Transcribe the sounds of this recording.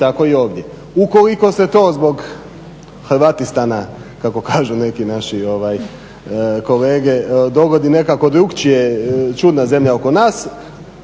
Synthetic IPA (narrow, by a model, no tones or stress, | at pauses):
t̪ako̞io̞ːʋd̪je | uko̞liko̞set̪oːzbo̞ɡ | xɾʋat̪ist̪ana | kako̞kaːʒune̞kinaʃio̞ʋaj | ko̞leːɡe̞d̪o̞ɡo̞d̪ine̞kako̞d̪ɾuɡt͡ʃijet͡ʃud̪naze̞mʎaoko̞naːs